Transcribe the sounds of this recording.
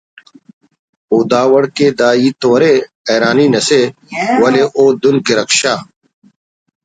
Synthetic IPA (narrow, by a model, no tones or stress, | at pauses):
oːd̪aːwɐɽkeːd̪aːiːt̪oːɾe | eːɾaːniːnɐse | wɐleʔoːd̪ʊnkeɾɐkʃaː